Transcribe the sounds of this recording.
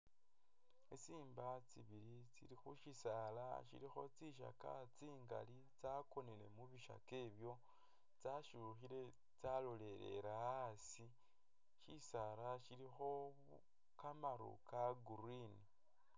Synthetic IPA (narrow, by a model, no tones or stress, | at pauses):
esiːmbat͡siβiɾit͡sḭlixuʃisala̰ʃḭlixo̞̰t͡siʃ̬a̰ka̰t͡siːŋɡa̰li | t͡sako̞nele̞muβiʃa̰ke̞ːβjo̞ | t͡saʃuxile̞ | t͡salole̞ɾe̞̰ɾaasi | ʃisalaʃilixo̞ | u | kamaɾṵkaɡuɾini